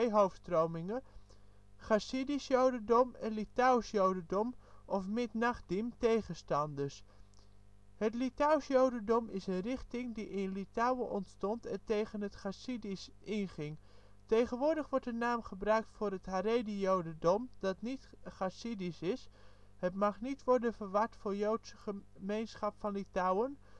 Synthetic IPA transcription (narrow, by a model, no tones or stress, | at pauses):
jɦowfstrowmɪŋə | χasidisjowdəndɔmənlitawsjowdədɔmʔɔfmɪtnaχ̚dimtejχəstɑndəɹs | hətlitawsjowdəndɔmɪsənrɪχtɪŋdiʔɪnlitawəʔɔntstɔntɛntejχənɦətχasidisʔɪnχɪŋ | tejχənʋʊːɹdəχʋɔɹtənaːmχəbrœɥk̚tfʊːɾəthaɾejdijowdəndɔmd̥ɑtnit | χasidisɪs | hətmɑχnitʋɔɹdənvəɹʋɑɹtfʊːɹjowtsəχə | mejnsχɑpfɑnlitawən